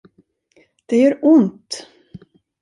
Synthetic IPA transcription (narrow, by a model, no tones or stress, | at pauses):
d̪̥ɛjœɾʊnt̪